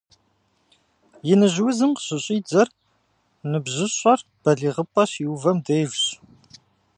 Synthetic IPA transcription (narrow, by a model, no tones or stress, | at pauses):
jɪnɨʑwʊzɨmqɕɪɕʼiːd͡zɐr | nɨbʑɪɕʼɐr | b̥ɐɮiːʁəpʼɐɕiwvɐmdejrɕʼ